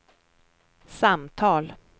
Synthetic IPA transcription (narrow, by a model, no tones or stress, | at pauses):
samt̪ʰɑːl